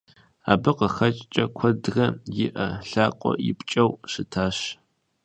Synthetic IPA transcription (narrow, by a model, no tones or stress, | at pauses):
a̰ːbɨqəxɐt͡ʃʼt͡ʃʼɐkʷʰɔdɣɐjɪʔɐɬaːqʷʼɔ̰jɪ̰pʼt͡ʃʼɐwʃɨtʰaːɕ